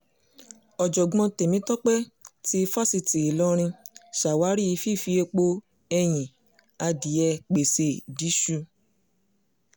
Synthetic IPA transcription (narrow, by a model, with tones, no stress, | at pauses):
ɔ˨d͡ʒɔ˨ɡ͡bɔ̃˧te˨mĩ˨˦tɔ˦k͡pɛ˦ti˦˧fa˦si˧ti˨e˨lɔ˦ɾ̃ĩ˧ʃa˨wa˨˦ɾi˦i˧˦fi˦˨fi˧˦e˧k͡po˧ | ɛ˧j̃ĩ˨ | a˧di˨˦ɛ˧k͡pe˨se˧˨di˨˦ʃu˧